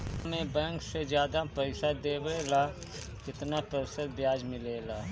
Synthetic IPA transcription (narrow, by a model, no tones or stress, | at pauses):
mẽbɛ̃ːŋksed͡ʒjaːd̪apɛɪsad̪eːbeːlaː | kɪt̪napəɾsəd̪̚bjaːd͡ʒmɪleːlaː